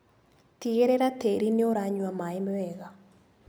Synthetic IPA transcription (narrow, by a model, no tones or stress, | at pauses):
tieɾɛɾateɾineoɾaɲwamaimwɛɣa